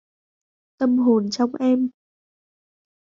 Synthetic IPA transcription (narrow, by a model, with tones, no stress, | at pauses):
t̪ə˧mɦo˨˩nt͡ɕɔ˧wŋ͡mʔɛ˧m